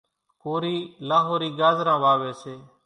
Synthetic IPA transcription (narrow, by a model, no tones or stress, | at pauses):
koːɾiːlaːɦoːɾiːɡaːzɾãːʋaːʋeːseː